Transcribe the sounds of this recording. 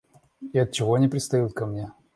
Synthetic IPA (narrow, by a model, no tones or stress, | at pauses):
ɪɐt̪̚t͡ɕɪvoɐnʲɪpɾʲɪt̪st̪ɐjut̪̚kɐmnʲe̞